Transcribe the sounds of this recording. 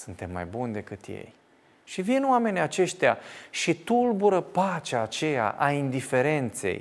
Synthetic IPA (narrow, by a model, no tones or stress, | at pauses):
sɨnt̪e̞mːa̰jbunʲd̪e̞kɨt̪je̞̰j | ʃivinoame̞nʲiat͡ʃe̞ʃt̪ea̰ʃit̪ulbuɾəpat͡ʃaːt͡ʃe̞ja̰ʔaind̪ife̞ɾe̞nt̪se̞̰j